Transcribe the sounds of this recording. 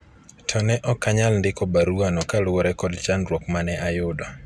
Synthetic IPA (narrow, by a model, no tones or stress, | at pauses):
tʰɔnɛʔɔkaɲalndɪkɔbaɾuanɔkalʊɔɾɛkɔdt͡ʃanɾwɔkmanɛʔajʊdɔ